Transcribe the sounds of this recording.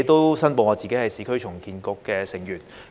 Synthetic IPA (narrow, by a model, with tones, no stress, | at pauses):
jt̪o˥wsɐ˥npoː˨˧ŋɔː˨˧t͡siː˨ke˨˥jhɐ˨jsiː˨kʰɵ˥ɥt͡ʃʰʊ˨˩ŋkiː˨nkɔː˧kːɛː˧sɪ˨˩ŋjyː˨˩n